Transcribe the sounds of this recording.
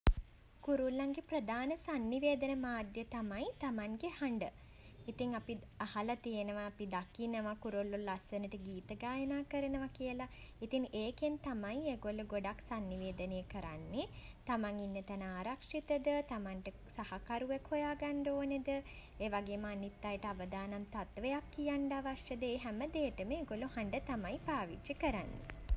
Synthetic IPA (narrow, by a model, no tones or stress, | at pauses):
kuɾulːaŋɡeprəd̪ʱaːnəsanːiʋeːd̪ənəmaːd̪jət̪amajt̪amaŋɡehaɳɖə | it̪iŋapi | ahalat̪ijenəʋaːpid̪akinəʋakuɾolːulːasənəʈəɡiːt̪əɡaːjənaːkəɾənəʋakijəlait̪iŋeːkent̪amajeːɡolːuɡoɖaksanːiʋeːd̪ənəjəkəɾanːet̪amaŋinːət̪ænəaːɾakʂit̪əd̪ət̪amaɳʈə | sahakaɾuʋekʰojaːɡaɳɖoːned̪ə | eːʋaɡeːməanit̪ːajəʈəaʋəd̪aːnamt̪at̪ʋejakːijaɳɖəaʋaʃjəd̪eːɦæməd̪eːʈəməeɡoluhaɳɖət̪amajpaːʋiikəɾanːḛ